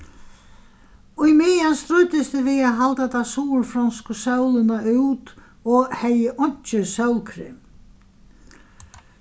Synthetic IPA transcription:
uimɪjanst̪ɾʏːt̪ɪst̪ɪvɪaðɦalt̪at̪ʰasuːɾfɾanskʏsœwlʏnaʏt̪ | ɔɣheːjɪʔɔɲ̥t͡ɕʏsœwlkʰɾɪ̰m

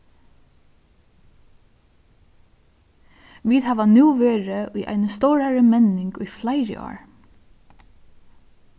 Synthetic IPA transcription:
ʋiːt̪haːʋanuːʋeːɹəʊjʔa̰ɪnəst̪ɔwɾaɹəmɛnɪŋkʊjflaɪɾə̰ʔɔ̰ːɹ

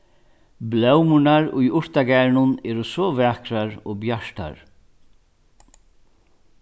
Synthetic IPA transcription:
blœwmʊnaɹʊjʊɹt̪aɡæːɾnʊnɛːɾʊsɔvæːkɾaɹɔːbjaʂt̪a̰ɹ

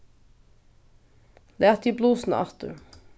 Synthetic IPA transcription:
læːt̪iːbluːsn̩ɑ̰t̪ʉ̰

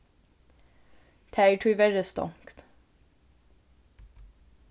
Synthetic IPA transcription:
t̪ʰæɪʈʰʉʋɛɹəst̪ɔ̰ŋkt̪

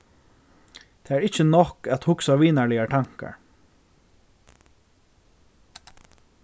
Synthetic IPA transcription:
t̪ʰeːæɹɪt͡ʃənɔkæt̪hʊksaʋiːnaɹɭlɪjaʈ̪ʰaŋ̥ka̰ɹ

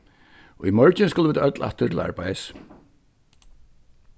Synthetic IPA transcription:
ɔimœɹt͡ʃɪnskʊːlvɪːt̪aœt̪la̰ht̪ʏɾt̪ʰɪla̰ɹpajðɪs

